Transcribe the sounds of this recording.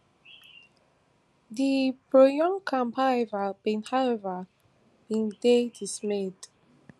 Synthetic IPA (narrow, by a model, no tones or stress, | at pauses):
dipɹojɔ̃nkʰãmpʰaɛvabĩnhawɛvə | b̥ĩndedismed